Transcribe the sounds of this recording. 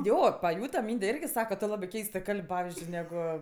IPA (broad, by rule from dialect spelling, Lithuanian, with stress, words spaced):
ˈjoː pɐˈjuːtɐ ˈmʲiːnʲdʲɛ ˈɪrʲɡʲɪ ˈsɑːkɐ tʊ ˈlˠɑːbɜ ˈkʲɛɪstɜ ˈkɐlʲpʲ ˈpɑːʋʲɪzʲd͡ʒʲʊɪ ˈnʲæːɡʊ